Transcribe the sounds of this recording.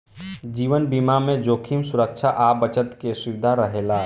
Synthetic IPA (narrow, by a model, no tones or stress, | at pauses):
d͡ʒiːʋənbimamẽd͡ʒoːkʰimsuɾəkt͡ʃʰaʔabət͡ʃət̪kesiʋɪd̪ʱaɾəɦela